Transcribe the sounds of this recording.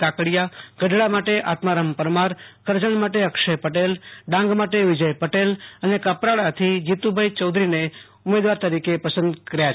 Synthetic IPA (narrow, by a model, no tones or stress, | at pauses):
akɽjaɡ̥əɖɭamaʈeʔat̪maɾəmpəɾmaɾkəɾd͡ʒəɳmaʈeəkʃəjpəʈelɖãŋɡmaʈeʋɪd͡ʒəjpəʈelənekəpɾaɭat̪ʰid͡ʒit̪ubʱəjt͡ʃəwd̪ʱɾine | ʊmed̪ʋaɾt̪əɾikepəsənd̪kəɾja